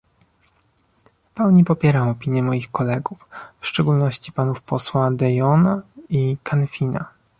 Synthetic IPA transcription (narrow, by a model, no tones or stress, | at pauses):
fpɛwɲipɔpʲjɛɾamɔpʲiɲjɛmɔjixkɔlɛɡuffʂt͡ʂɛɡulnɔɕt͡ɕipanufpɔswad̪ɛjɔnaikanfʲina̰